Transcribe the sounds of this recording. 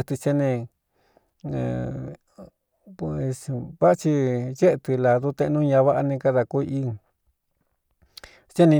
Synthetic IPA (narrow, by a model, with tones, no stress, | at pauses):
t̪ɨ˧t͡ʃe˦˧nẽ˧ | sβa˦˧t͡ʃi˧je˦ʔt̪ɨ˧la˨ðu˦t̪ẽ˧ʔnũ˦˧ɲã˧βa˦ʔa˧nĩ˧ka˦˧ða˧ku˧ʔi˦ | t͡ʃe˦nĩ˧